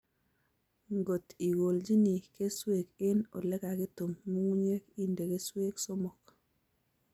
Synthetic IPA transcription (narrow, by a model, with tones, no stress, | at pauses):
ŋɡo˨ti˨ɣo˨ld͡ʒi˦ni˨ke˦swe˦˨kɪ˦no̰˨lɛ˦ka˨ki˦to˨mːu˦ŋu˦ɲe˦ki˦nde˨ke˦swe˦kso˦mɔ˨k